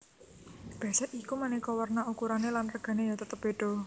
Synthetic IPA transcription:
b̥a̤sɛʔikumanikɔwərnaukuɾanelanrəɡ̥a̤nejat̪ət̪əb̥e̤ɖ̥ɔ̤

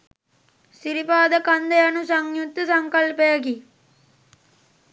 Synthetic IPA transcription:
siɾipaːd̪ɐkɐnd̪ɐjɐnusɐŋjut̪ːɐsɐŋkɐlpejɐki

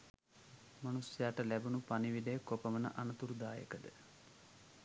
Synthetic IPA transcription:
manusjaːʈəlæbunupaniʋid̪ejkopəʋənə̰ʔanɐt̪uɾud̪aːjə̰kəd̪ə

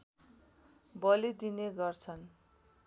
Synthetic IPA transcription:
bʌlid̪ineɡʌrt͡sʰʌn

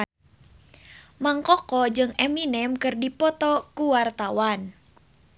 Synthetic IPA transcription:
maŋkɔkɔd͡ʒɨŋɛminɛmkɨrdipɔt̪ɔkuwart̪awan

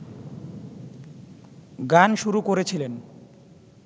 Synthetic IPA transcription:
ɡanʃuɾukoɾet͡ɕʰilen

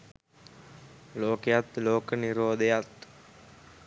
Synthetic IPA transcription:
loːkejat̪loːkəniɾoːd̪ejat̪

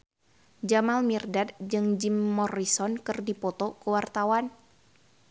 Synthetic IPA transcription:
d͡ʒamalmirdad̚d͡ʒɨŋd͡ʒimːɔrisɔnkɨrdipɔt̪okəwart̪awan

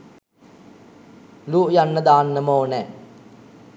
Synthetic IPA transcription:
luːʔjanːəd̪aːnːəmoːnɛː

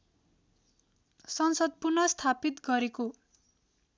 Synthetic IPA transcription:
sʌnsʌd̪̚purnʌst̪ʰapit̪ɡʌɾeko

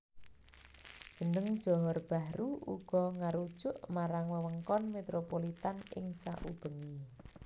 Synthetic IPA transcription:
d̥ʒ̥ə̤nəŋd̥ʒ̥ɔɦɔrb̥a̤ɾuṵɡ̥ɔ̤ŋaɾud̥ʒ̥ʊʔmaɾaŋwəwəŋkɔnmet̪ɾopolit̪anɪ̰ŋsa̰ʔub̥əŋi

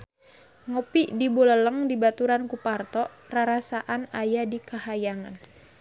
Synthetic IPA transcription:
ŋopiʔdibulələŋdibat̪uɾankupart̪ɔʔ | raɾasaʔanajadikahajaŋa̰n

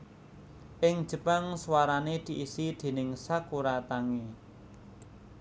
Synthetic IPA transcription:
ʔɪŋ̥ʒ̥ə̤paŋswaɾaned̪̥i̤ʔisid̪̥e̤nɪŋsakuɾat̪aŋe

